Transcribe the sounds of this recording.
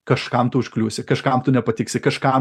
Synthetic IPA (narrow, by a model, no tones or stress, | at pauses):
kɐʃkɐmt̪ʊʊʃklʲuːsʲɪkɐʃkɐmt̪ʊnʲɛpɐt̪ʲɪksʲɪkɐʃkɐm